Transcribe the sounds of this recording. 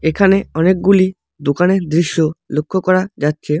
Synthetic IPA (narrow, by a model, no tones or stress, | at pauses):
ekʰaneɔnek̚ɡuli | d̪okaneɾd̪ɾiʃːolokʰːokɔɾad͡ʑatːɕʰe